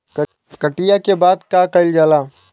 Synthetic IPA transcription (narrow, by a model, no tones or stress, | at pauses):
kəʈɪjakebaːd̪kakɐɪld͡ʒaːlaː